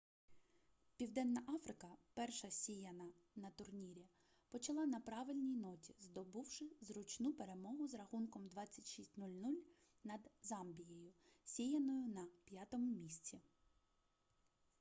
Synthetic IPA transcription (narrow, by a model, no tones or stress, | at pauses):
pʲiwd̪ɛnːɐʔɑfɾɪkɐpɛrʃɐsʲijɐnɐnɐt̪ʊrnʲiɾʲi | pɔt͡ʃɐlˠɑnɐpɾɑʋɪlʲnʲijnɔtʲizd̪ɔbuwʃɪzɾʊt͡ʃnupeɾe̞mɔɦʊzɾɐxunkɔmd̪ʋɑt͡sʲːɐtʲʃisʲtʲnulʲnulʲ | nɐd̪zɑmbʲijɛjʊsʲijɐnɔjʊnɐpʲjat̪ɔmʊmʲisʲt͡sʲi